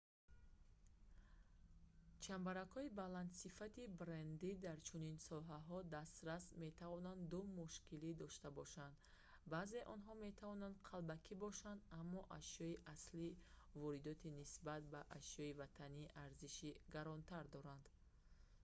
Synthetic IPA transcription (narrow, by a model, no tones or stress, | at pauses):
t͡ʃʰambaɾakhɔibaland̪sifat̪ibɾend̪id̪aɾt͡ʃʰuninsɔɦaɦɔd̪ast̪ɾasme̞t̪ʰavɔnand̪d̪umuʃkilid̪ɔʃt̪abɔʃand̪ | baːze̞ʔɔnɦɔme̞t̪ʰavɔnand̪qʰalbakʰibɔʃand̪amːɔʔaʃjɔiʔaslivɔɾid̪ɔt̪ʰinisbat̪̚baʔaʃjɔivat̪ʰaniʔaɾziʃiɡaɾɔnt̪ʰaɾd̪ɔɾand̪̥